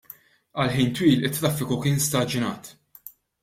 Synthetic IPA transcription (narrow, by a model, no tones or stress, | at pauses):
ɐlħiːnt̪wiːlɪt̪ːɾɐfːɪkʊkɪːnst̪ɐd͡ʒɪnɐ̰ːt̪